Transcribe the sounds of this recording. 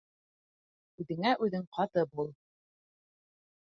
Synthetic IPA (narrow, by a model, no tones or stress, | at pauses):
ʉðɘ̆ŋæʔʉðɘŋqʰɑt̪ɤpulˠ